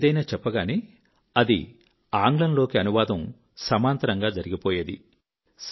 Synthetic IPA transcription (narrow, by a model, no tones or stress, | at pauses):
d̪ɐjnaːt͡ʃɛpːɐɡaːneː | ɐd̪ḭ | aːŋɡlɐnlo̞ːkiɐnuʋaːd̪ɐm | sɐmaːnt̪ɐɾɐŋɡaːd͡ʒɐɾiɡipoːjeːd̪ḭ | s